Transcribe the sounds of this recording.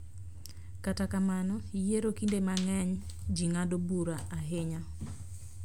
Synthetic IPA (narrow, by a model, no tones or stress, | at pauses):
katakamanɔijeɾokindemaŋɛɲ | d͡ʒiŋadobuɾaʔaɦɪɲa